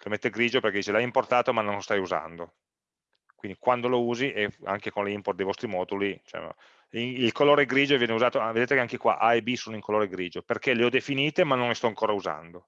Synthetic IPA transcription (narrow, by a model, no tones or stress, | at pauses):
lomet̪ːeɡɾiːd͡ʒoperked̪iːt͡ʃelajimport̪aːt̪omanonlost̪ajuza̰nd̪o | kwind̪ikwand̪olouːziʔea̰ŋkekonleimport̪d̪ejvɔst̪ɾimɔːd̪ulit͡ʃɛ̰m̰ | iilkoloːɾeɡɾiːd͡ʒovjɛːneuzaːt̪oavedeːt̪ekeaŋkekwa̰ʔajbisoːnoiŋkoloːɾeɡɾiːd͡ʒoperkeleɔd̪efiniːt̪emanːõŋlest̪ɔaŋkoːɾauza̰nd̪o